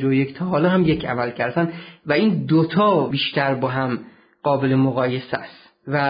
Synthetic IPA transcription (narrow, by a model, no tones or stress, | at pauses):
d͡ʒoject̪ʰɒːɦɒːlɒːhæmjecʰæ̰mælcʰæɾd̪sænvæiːnd̪ot̪ʰɒːbiːʃt̪ʰæɾbɒːɦæm | ɢ̥ɒːbe̞lemoɣɒːjesæ̰st̪ | væ